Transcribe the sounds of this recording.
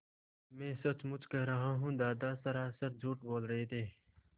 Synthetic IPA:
mẽːsɐt͡ʃmʊt͡ʃkɐɦɾɐɦaɦũːd̪aːd̪aːsɐɾaːsəɾd͡ʒʱuːʈboːlɾɐɦet̪ʰeː

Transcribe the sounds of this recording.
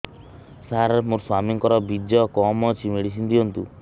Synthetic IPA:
saɾemuɾswamiŋkɔɾɔbid̪jɔkɔmɔt͡ʃʰimeɽis̬ind̪iɔnt̪u

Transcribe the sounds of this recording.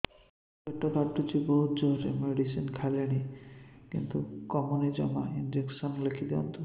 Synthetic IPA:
ek̚ʈːakaʈːut͡ʃibɔɦut̪d͡ʒoɾḛmeɖisinkʰaleɽ̃ikḭnt̪ukɔmunid͡ʒamaind͡ʑeksɔnlekʰid̪iɔ̰nt̪u

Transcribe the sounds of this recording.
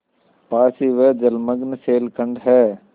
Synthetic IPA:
paːsiːʋed͡ʒɐlməɡnseːlkə̃ɳɖɦɛː

